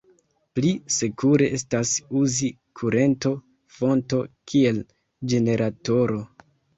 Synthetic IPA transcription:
plise̞kuɾe̞ʔe̞stasuzi | kʰuɾe̞nto̞ | fo̞nto̞kʰie̞l | d͡ʒe̞ne̞ɾʔato̞ɾo̞

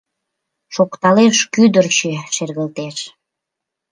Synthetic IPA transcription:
ʃokt̪ɑleʃkyd̪ərt͡ɕeʃerɣəlt̪eʃ

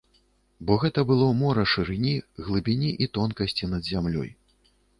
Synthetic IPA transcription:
bɔɣɛt̪ɐbɨlˠɔmɔɾɐʂɨɾɨnʲiɣlˠɨbʲinʲiʔit̪ɔnkɐsʲt͡sʲinɐd̪zʲamlʲɔ̰j

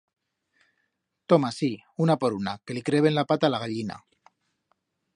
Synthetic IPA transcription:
t̪omasiunapoɾunakelikɾeβenlapat̪alaɣ̞aʎina̰

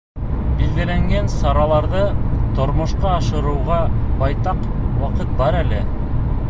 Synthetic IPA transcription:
bilɡɘ̆læŋɡænsɑɾɑlˠɑɾðɤt̪ŏɾmŏʃqɑːʃɤ̆ɾɤ̆wʁɑbɑjt̪ɑqwɑqɤt̪̚bɑɾælɘ

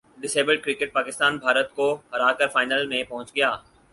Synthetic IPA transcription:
ɖɪseːbəɖkɾikeʈ̚paːkɪst̪aːnbʱaːɾət̪̚koɦɐɾaːkəɾfaːɪnəlmẽpɐɦʊ̃t͡ʃɡɪjaː

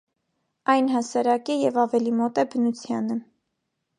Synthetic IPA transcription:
ɑjnɦɑsɑɾɑkɛjɛvɑvɛlimɔt̪ɛbənut͡sʰjɑnə

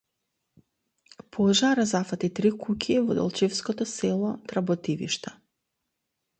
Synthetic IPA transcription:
pʰɔʒaɾazafat̪it̪ɾikukʲʰivɔ̰d̪ɔ̰lˠt͡ʃifskɔt̪ɔsɛlˠɔt̪ɾabɔt̪ivḭʃt̪a

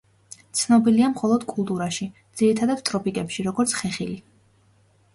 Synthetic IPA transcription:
t̪sʰnɔbiliamχɔlˠɔd̪̥kʼulˠt̪ʼuɾaʃid̪z̥iɾit̪ʰad̪at̪t̪ʼɾɔpʰʼikʼɛpʃiɾɔɡɔɾt̪sʰχɛχili

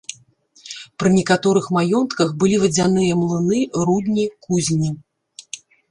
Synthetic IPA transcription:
pɾɨnʲɛkat̪ɔɾɨxmajɔnt̪kɐxbɨlʲivɐd͡zʲanɨjɐmlˠɨnɨɾud̪ʲnʲikuzʲnʲi

